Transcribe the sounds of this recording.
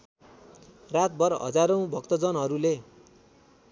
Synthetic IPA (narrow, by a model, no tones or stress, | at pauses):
rat̪̚bʌrɦʌ̰d͡zaɾʌw̃bʱʌkt̪ʌd͡zʌnɦʌɾule